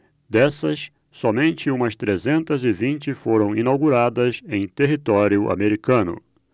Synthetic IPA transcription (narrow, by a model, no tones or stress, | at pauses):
d̪ɛsɐsː | ɔmẽnt͡ʃɪũmɐst̪ɾezẽnt̪ɐzɪvĩnt͡ʃɪfoɾɐ̃w̃inawɡuɾad̪ɐzẽj̃t̪eɦit̪ɔɾjʊʔa̰meɾikɐ̃nʊ̰